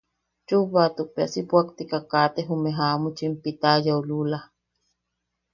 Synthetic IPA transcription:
t͡ʃuβat̪uk̚pea̰sipwakt̪ikakaːt̪eɦumeɦamut͡ʃimpit̪ajaulula

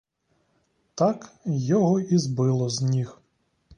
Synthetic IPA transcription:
t̪ɑkjɔɦɔizbɪlˠɔznʲix

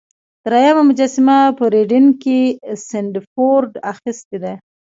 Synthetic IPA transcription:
d̪̥əɾajamamʊd͡ʒasɪmapəɾeɖɪnkesɪɳɖfoɾɖaxɪst̪ed̪a

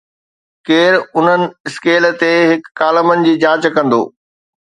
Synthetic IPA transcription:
keːɾʊn̤ənɪ̆ɪskeːlt̪eɦɪkːaːləmənɪ̆d͡ʑiːd͡ʑãːt͡ɕkɐ̃nd̪o̰ː

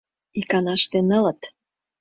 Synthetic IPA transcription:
ikɑnɑʃt̪enɤ̆lɤ̆t̪

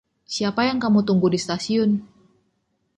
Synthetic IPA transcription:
siapajaŋkamut̪uŋɡudist̪asiʊn

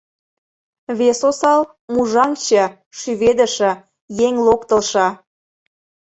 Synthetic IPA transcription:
βesosɑl | muʒɑŋt͡ɕə̆ | ʃyβed̪ə̆ʃə̆ | jeŋlokt̪ə̆lʃɑ

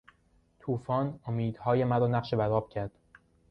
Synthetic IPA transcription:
t̪ʰuːfɒːnomiːd̪hɒːje̞mæɾɒːnæqʃebæɾɒːb̥̚cʰæɾd̪̥

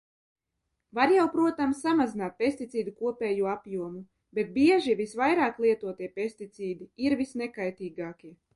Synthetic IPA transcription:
vaɾjawpɾuɔt̪amsːamazinaːt̪̚pʲesʲt̪it̪siːd̪ukuɔpʲɛːjuɔapjuɔmu | bet̪̚biɛʒivisvajɾaːklˠiɛt̪uɔt̪iɛpʲesʲt̪it̪siːd̪iiɾvisnɛkajt̪iːɡaːkʲi

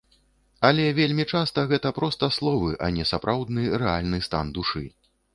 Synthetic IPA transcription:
ɐlʲɛvʲelʲmʲit͡ʂast̪ɐɣɛt̪ɐpɾɔst̪ɐslˠɔvɨʔɐ̰nʲɛsapɾʔawd̪nɨɾɛalʲnɨst̪a̰nd̪uʂɨ

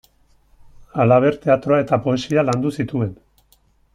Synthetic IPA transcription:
alaβ̞e̞ɾt̪e̞at̪ɾo̞ae̞t̪apo̞e̞sialand̪usit̪ue̞n

